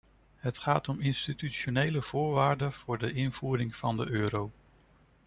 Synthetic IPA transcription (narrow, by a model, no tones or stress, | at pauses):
ɦətχaːtɔmɪnstityʃonejləv̥ʊːɹʋaːɹdəv̥ʊːɹdəʔɪnv̥uːɾɪŋv̥ɑndəʔøːɾow